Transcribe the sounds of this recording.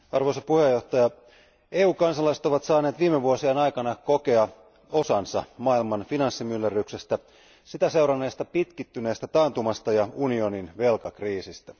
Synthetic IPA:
ɑ̰rʋo̞isɑpuhe̞jːo̞ht̪ɑjɑ | eːuːkɑnsɑlɑiset̪oʋɑt̪sɑːneːt̪ʋiːmeʋuosienɑjkɑnɑko̞ke̞ɑ | osɑnsɑmɑːilmɑnfinɑnsːimylːerykse̞st̪æ | sit̪æse̞uɾɑnːe̞ːst̪ɑpit̪kit̪ːyne̞ːst̪æt̪ɑːnt̪umɑst̪ɑjɑunio̞ninʋe̞lkɑkriːsist̪æ

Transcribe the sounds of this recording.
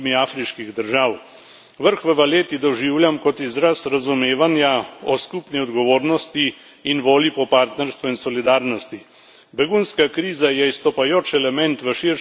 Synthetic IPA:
miaːfɾiʃkiɣd̪əɾʒaːw | ʋəɾxʋəʋaleːt̪id̪ɔʒiːwljamkɔt̪izɾasɾazumeːʋanjaɔskupniɔd̪ɡɔʋoːɾnɔst̪iː | nʋoːlipɔpaːɾt̪nɛɾst̪ʋuinsɔlid̪aːɾnɔst̪i | bɛɡunskakɾiːzajɛist̪ɔpajoːt͡ʃɛlɛmɛnt̪ʋəʃiɾ

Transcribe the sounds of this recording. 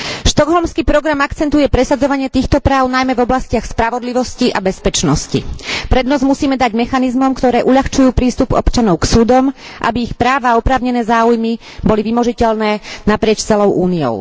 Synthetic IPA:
ʃt̪ɔɡɦɔlmskiːpɾɔɡɾamakt͡sɛnt̪ujɛpɾɛsad͡zɔʋaɲɪɛt̪iːxt̪ɔpɾaːʊnajmɛvɔblascɪaxspɾaʋɔd̪liʋɔsciʔabɛspɛt͡ʃnɔscḭpɾɛd̪nɔzmusiːmɛd̪aɟmɛxanizmɔmkt̪ɔɾɛːʔuʎaxt͡ʃujuːpɾiːst̪upɔ̰pt͡ʃanɔʊksuːd̪ɔm | ʔa̰biːxpɾaːʋaːɔpɾaːʊɲɛnɛːzaːujmi | bɔliʋimɔʒicɛʎnɛːnapɾɪɛt͡ʃt͡sɛlɔʊʔuːniɔ̰ʊ

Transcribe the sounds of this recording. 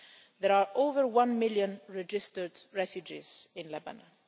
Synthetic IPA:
ðɛɹaɹʔovəɹwãnmɪljə̃nɹɛd͡ʒɪstədɹɛfjud͡ʒḭz̥ɪ̃nlɛba̰na

